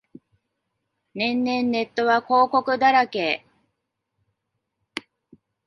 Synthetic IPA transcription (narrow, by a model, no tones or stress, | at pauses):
nẽ̞nːẽ̞nːe̞t̪ːo̞βako̞ːko̞kɯ̟d̪aɾake̞ː